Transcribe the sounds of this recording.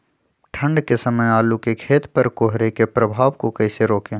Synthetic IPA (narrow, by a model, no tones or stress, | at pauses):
ʈʰə̃ɳɖkesəməjaːlukekʰeːt̪pəɾkoːɦɾekepɾəbʱaːʋkokɐɪseɾoːkẽː